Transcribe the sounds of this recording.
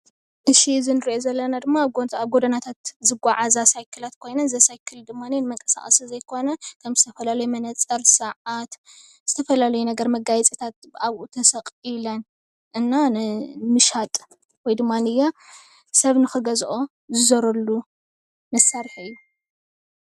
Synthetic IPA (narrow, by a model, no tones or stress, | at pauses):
ʔɨʃizɨnɨɾiʔozɐlːɐnad̪ɨmːaβɡoaβɡod̪ɐnat̪ʰat̪zɨɡʷaʕazasajkʰɨlat̪kʰo̞jnɐnzɐsajkʰɨld̪ɨmːanenɨmɐŋkʼɐ̥sa̰χʼɐsizɐjkʰo̞nɐkʰɐmzɨt̪ʰɐfɐlalɐjumɐnɐt͡sʼɐɾsɨʕat̪ | z̥ɨt̪ʰɐfɐlalɐjunɐɡɐɾmɐɡajɛt͡sʼit̪ʰat̪̚bɨʔaβʔut̪ʰɐsɐqʼilɐn | ʔɨnːamɨʃat̪ʼ | wojd̪ɨmːanɨjːa | sɐβnɨxɨɡɐzʔo̞ | zɨzɐɾɐlːu | mɐsːaɾħɨjːu